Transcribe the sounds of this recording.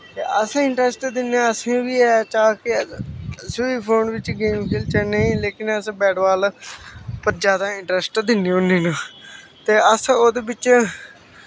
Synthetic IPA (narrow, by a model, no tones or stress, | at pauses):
t̪eːʔəsɪɳʈɾɛsʈd̪ɪnãːəsẽːʋiːɛːt͡ʃaːkɪ | suiːpʰoːnʋɪt͡ʃɡeːmkʰeːlt͡ʃəneĩːleːkɪnəsbɛːɖʋaːl | pəɾd͡ʒjaːd̪aːɪɳʈɾɛsʈd̪ɪniːʊnːiːnũː | t̪eːəsoːd̪eːbɪt͡ʃ